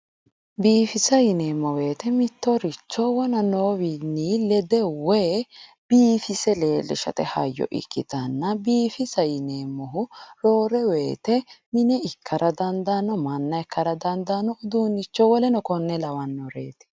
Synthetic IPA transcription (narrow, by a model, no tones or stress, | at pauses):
biːfɪsɐjɪneːmːɔwe̞ːt̪ɛmɪt̪ːɔɾɪt͡ʃːɔwɔnɐnoːwinːiːlɛd̪ɛwe | b̥iːfɪsɛle̞ːlɛ̰ʃɐ̰t̪ɛhɐ̰jːɔ̰ʔɪ̰kːɪt̪ɐnːɐbiːfɪsɐjɪneːmːɔɦʊɾoːɾɛwe̞ːt̪ɛmɪnɛɪkʰːɐɾʔɐd̪ɐnd̪aːnːɔmɐnːɐɛkʰːɐɾɐd̪ɐnd̪aːnːɔʊd̪uːnɪt͡ʃːɔwɔlɛnɔkɔnːɛlɐwɐnːɔɾḛːt̪ɛ̥